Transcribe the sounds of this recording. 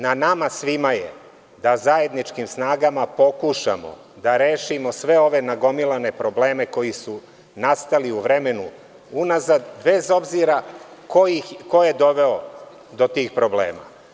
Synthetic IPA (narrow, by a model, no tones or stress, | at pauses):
nanamasʋimaje | d̪azaje̞d̪nit͡ʃkimsnaːɡamapo̞kuʃa̰mo̞̰ | d̪aɾeːʃimo̞sʋe̞o̞ʋe̞naɡo̞milˠane̞pɾo̞ble̞ːme̞ko̞jisu | nast̪aliuʋɾe̞me̞nu | unazad̪be̞zo̞bziɾakoiko̞jed̪o̞ʋe̞o | d̪o̞t̪iːxpɾo̞blḛːma̰